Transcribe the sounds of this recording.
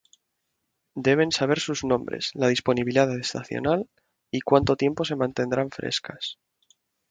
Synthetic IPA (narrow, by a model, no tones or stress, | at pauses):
d̪e̞β̞e̞nsaβ̞e̞ɾsuznõ̞mbɾe̞̰zlað̞ispo̞niβiliaððest̪a̰θjo̰nal | ikwant̪o̞t̪je̞mpo̞se̞mãnt̪e̞nd̪ɾaɱfɾe̞̰skas